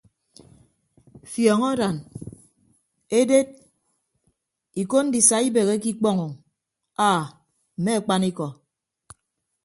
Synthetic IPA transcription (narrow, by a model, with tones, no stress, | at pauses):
fjɔː˨ŋɔ˦da˨n | e˦de˦t̚ | i˨ko˦n̩˦di˨sa˨i˦be˨ɣe˦ki˦k͡pɔ˦ŋɔ˨ŋ | aː˦˨ | m̩˨me˦a˨k͡pa˦ni˦kɔ˨